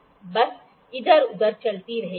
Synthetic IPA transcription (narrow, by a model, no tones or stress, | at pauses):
bɐs | ɪd̪əɾʊd̪əɾt͡ʃɐlt̪iɾɐɦeː